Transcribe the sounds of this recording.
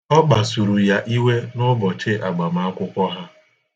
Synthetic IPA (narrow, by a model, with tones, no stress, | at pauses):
ɔ˦k͡pa˨su˨ɾu˨ja˦ʔi˦we˦nʊ˦bɔ˨t͡ʃe˦ʔa˨ɡ͡ba˨m̩˦˨a˦kʷʊ˦kʷɔ˦ɦa˦